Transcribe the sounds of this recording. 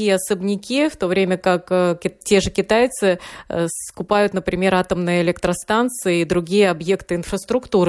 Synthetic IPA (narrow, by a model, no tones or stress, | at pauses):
ijəɐsəbnʲɪkʲift̪o̞vɾʲemʲəkakːʲɪtʲe̞ʐɨkʲɪt̪ajt̪sɨskʊpajʊt̪nəpɾʲɪmʲe̞ɾat̪əmnɨjəɪlʲekt̪ɾɐst̪ant̪sɨjɪid̪ɾʊɡʲijəɐbje̞kt̪ɨɪnfɾəst̪ɾʊkt̪uɾɨ